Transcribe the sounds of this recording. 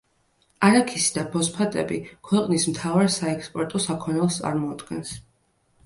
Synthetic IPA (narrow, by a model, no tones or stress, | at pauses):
aɾakʰisd̪apʰɔspʰat̪ʼɛ̰bikʰwɛqʼnismt̪ʰavaɾsaɛkspʼɔɾt̪ʼɔsakʰɔnɛlˠst̪sʼa̰ɾmɔad̪ɡɛns